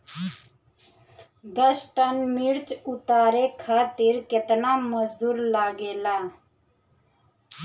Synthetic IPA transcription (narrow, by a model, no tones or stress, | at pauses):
d̪əsʈənmiɽt͡ʃut̪aːɾekʰaːt̪iɾket̪naməzd̪uːɾlaːɡeːla